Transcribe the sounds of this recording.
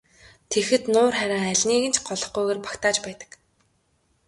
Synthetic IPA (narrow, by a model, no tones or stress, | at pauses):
t̪ʰexɘ̆t̪nʊːrχæɾʲaːŋæɮʲniːɣɘ̆nt͡ɕʰɢɔɮɞ̆χɡujɣeːrpḁkt̪aːt͡ɕpæːt̪ə̥̆k